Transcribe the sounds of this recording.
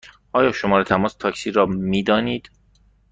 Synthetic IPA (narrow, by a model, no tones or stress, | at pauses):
ʔɒːjɒːʃomɒːɾet̪ʰæmɒːst̪ʰɒːcsiːɾɒːmiːd̪ɒːniːd̪̥